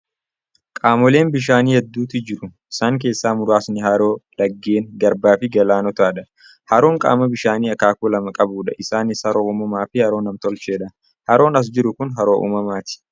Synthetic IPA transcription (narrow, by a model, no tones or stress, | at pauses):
kʼaːmɔle̞ːnbɪʃ̬aːniːhɛd̪ːuːt̪ɪd͡ʒɪɾʊʔɪsaːŋk̬e̞ːsːaːmʊɾaːsnɪɦɐɾo̞ːlɐɡːeːŋɡɐɾbaːfɪɡɐlaːnɔt̪aːᶑɐ | hɐɾoːŋkʼa̰ːmɐbɪʃaːniːɐkaːkulɐmɐkʼɐbuːᶑɐʔɪsaːnɪshɐɾoːʔuːmɐmaːfɪhɐɾo̞ːnɐmt̪ɔlt͡ʃeːᶑɐ | hɐɾo̞ːnɐs̬d͡ʒɪɾʊkʊnɦɐɾoːʔṵːmɐmaːt̪ɪ̥